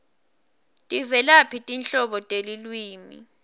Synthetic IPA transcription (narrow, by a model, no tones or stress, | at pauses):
tʼivɛlapʰitʼint͡ɬʼɔɓɔtʼelilwiːmḭ